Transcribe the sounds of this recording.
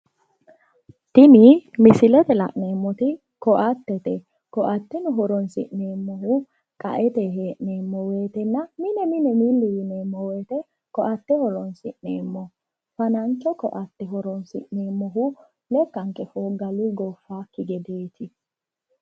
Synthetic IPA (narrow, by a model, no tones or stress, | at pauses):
t̪ɪnɪmɪsɪlɛt̪ɛlɐ̰ʔne̞ːmːɔt̪ɪ | kɔʔɐt̪ːɛt̪ɛ | kɔʔɐt̪ːɛnʊɦɔɾɔnsɪ̰ʔneːmːɔɦʊ | kʼɐ̰ʔɛt̪eɦeːʔneːmːɔweːt̪ɛnːɐmɪnɛmɪnɛmiːlːɪwɪneːmːɔweːt̪ɛ | kɔʔɐt̪ːɛhɔɾɔnsɪʔneːmːɔ | fɐnɐnt͡ʃːɔkɔʔɐt̪ːɛɦɔɾɔnsɪ̰ʔneːmːɔɦʊ | lɛkːɐŋkʼɛfoːɡɐlʊɡɔfːaːkɪɡɛd̪eːt̪ʰɪ